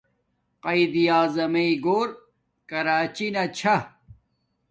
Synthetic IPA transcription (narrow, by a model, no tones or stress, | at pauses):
qɐid̪ijaːzɐmɐiɡoːɾ | kɐɾaːt͡ɕinɐt͡ɕʰɐ